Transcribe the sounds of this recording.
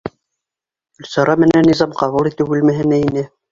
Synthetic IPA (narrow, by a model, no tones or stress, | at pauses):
ʉlsɑɾɑmɘ̆nænːizɑmqɑβulˠit̪ɘwʉlmæɦɘ̆næinɘ